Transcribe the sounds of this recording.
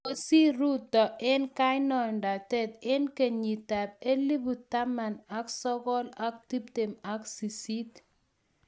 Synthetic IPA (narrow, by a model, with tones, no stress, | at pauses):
o˦si˦ɾu˦tɔ˨ʔɪ˦nka˦jnɔ˨nda˨tɛ˦t̪ɪ˦nke˨ɲi˨ta˨b̚e˦li˦bu˨ta˦ma˨na˦ksɔ˦ɡɔ˦la˦k̚ti˦p̚te˨ma˨ksi˨si˦t